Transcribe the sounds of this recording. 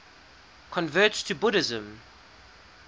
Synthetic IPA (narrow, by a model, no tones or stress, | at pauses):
kʰə̃nvɜˑttʰəbʊɾɪzə̃m